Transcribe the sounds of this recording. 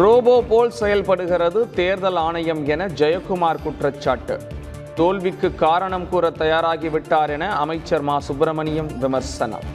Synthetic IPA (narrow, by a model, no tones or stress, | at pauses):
ɾoːboːpoːlsɛjɐlpɐɽɯɣɪrɐðɯt̪eːɾðɐlaːɳɐjɐmɛnɐd͡ʒɐjɐkːʊmaːɾkʊʈrɐt͡ʃːaːʈːɯ̰ | t̪oːlʋɪkːɯkːaːɾɐɳɐmkuːrɐt̪ːɐjaːɾaːɣiʋɪʈːaːɾɛnɐɐmɐɪt͡ʃːɐɾmaːsʊbɾɐmɐnɪjɐmʋɪmɐɾsɐnɐ̰m